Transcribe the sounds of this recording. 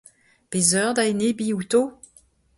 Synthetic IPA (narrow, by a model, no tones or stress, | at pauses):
pezœʁd̪aenebiuto